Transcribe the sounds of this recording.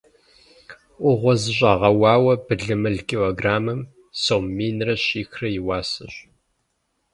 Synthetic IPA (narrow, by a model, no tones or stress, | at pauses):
ʔʷʊʁʷɔzɨɕʷʼɑːʁɐwɑːwɐbɨɮɨmɨɮkʰʲʼiloːɡraːmɨm | sowmmiːnrɐɕiːxrɐjɪwaːsɐ̰ɕ